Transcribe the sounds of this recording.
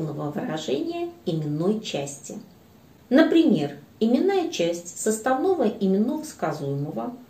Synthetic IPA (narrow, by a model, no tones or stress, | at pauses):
nəvəvɨɾɐʐɛnʲɪjəɪmʲɪnːo̞jt͡ɕæsʲtʲɪ̰ | nəpɾʲɪmʲe̞rɪmʲɪnːajət͡ɕæsʲtʲsəst̪ɐvnovəʔɪmʲɪnːovəskazujɪməvə